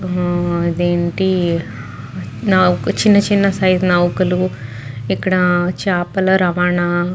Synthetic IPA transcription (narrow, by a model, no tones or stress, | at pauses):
id̪eːɳʈi | nɐkut͡ʃinːɐt͡ʃinːɐsɐjznɐwukulu | ikːɐɽɐt͡ʃaːpɐlɐɾɐʋaːɳa